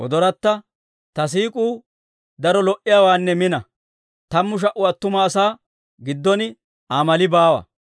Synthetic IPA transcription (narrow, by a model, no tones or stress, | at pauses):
ʔɔ̰d̪ɔɾɐt̪ːɐ | t̪ɐs̬iːkʼuː | d̪ɐɾɔlɔʔɪjaːwaːnːɛmɪnɐ | t̪ɐmːʊʃ̬ɐʔʊɐt̪ːʊmɐːsaː | ɡɪd̪ːɔnɪ | amɐlɪbaːwɐ̰